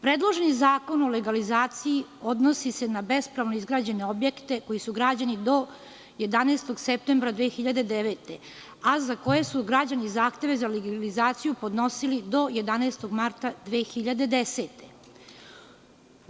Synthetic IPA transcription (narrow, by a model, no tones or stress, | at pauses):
pɾeːd̪lˠoʒenizaːko̞noleɡalizaːt̪siiod̪nosise̞nabe̞spɾaʋnoizɡɾaːd͡ʑe̞ne̞obje̞kt̪e̞ko̞jisuɡɾad͡ʑanid̪o̞ | je̞d̪aneːst̪o̞ɡsep̚t̪embɾad̪ʋexiʎad̪e̞d̪eʋeːt̪e | azako̞je̞suɡɾad͡ʑanizaːxt̪e̞ʋe̞zaleɡalizaːt̪sijupo̞d̪no̞silid̪o̞je̞d̪aneːst̪o̞ɡmaɾt̪ad̪ʋeːxiʎad̪e̞d̪ese̞ːt̪e